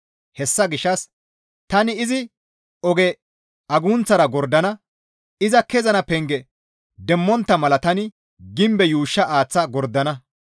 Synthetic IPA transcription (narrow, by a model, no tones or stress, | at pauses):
hɛsːɐɡɪʃːɐs | t̪ɐnɪːzɪ | ɔɡɛ | ɐɡuːnt͡sːɐɾɐɡɔɾd̪ɐnɐ | ɪzɐkɛzɐnɐpɛŋɡɛ | d̪ɛmːɔnt̪ːɐmɐlɐt̪ɐnɪ | ɡɪmbɛjuːʃːɐʔaːt͡sːɐɡɔɾd̪ɐnɐ